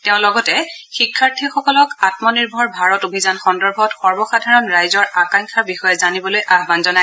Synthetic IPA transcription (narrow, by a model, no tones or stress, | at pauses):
teʊ̃lɔɡɔtɛxikʰːaɹtʰixɔkɔlɔkatmɔniɹbʱɔɹbʱaɹɔtobʱizanxɔndɔɹbʱɔtxɔɹbɔxadʱaɹɔnɹajzɔɹakaŋkʰaɹbixɔjɛzanibɔlojʔaɦbanzɔnaj